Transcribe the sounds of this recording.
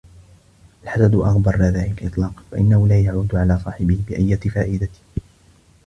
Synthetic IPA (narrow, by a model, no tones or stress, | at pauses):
ʔalħasad̪ʔɑɣbɑɾˤːaðaːlɪkʔɨt̪ˤlɑːqfaʔɪ̰nːahʊlaːjaʕuːd̪ʕalaːsˤɑːħɪbɪhbɪʔajːat̪ɪfaːʔɪd̪at̪ɪ̥